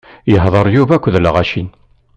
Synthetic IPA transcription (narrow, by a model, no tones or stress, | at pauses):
jəɦðˤəɾˤjuvækʷːðləʁæʃin